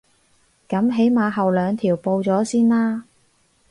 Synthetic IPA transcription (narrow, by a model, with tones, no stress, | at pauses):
kɐ˨˥mɦe˨˥jmaː˨˧ɦɐ˨wlœː˨˧ŋt̪ʰiː˨˩wpo˧wt͡sɔː˨˥siː˥nlaː˥